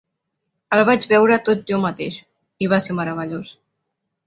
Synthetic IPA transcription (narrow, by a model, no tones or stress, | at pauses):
əlˠβ̞ad͡ʒβɛwɾət̪ot̪̚ʒɔmət̪eʃ | iβ̞aseɾməɾəβ̞əʎos